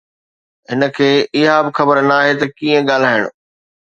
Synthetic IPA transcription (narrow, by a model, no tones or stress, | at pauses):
ɦɪnə̆kʰeːɪɦabɪxɐbəɾnaːɦet̪ɐkiːə̃ɠaːl̤aːɦɪɽ̃ʊ